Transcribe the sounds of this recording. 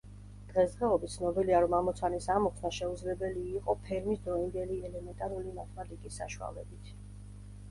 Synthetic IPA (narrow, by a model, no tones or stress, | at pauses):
d̪̥ʁɛsd̪ʁɛɔbit̪sʰnɔbiliaɾɔmamɔt̪sʰanisamɔksnaʃɛud̪zlɛbɛliːqʼɔpʰɛɾmisd̪ɾɔind̪ɛliɛlɛmɛnt̪ʼaɾulimat̪ʰmad̪ikʼisːa̰ʃua̰lɛbit̪ʰ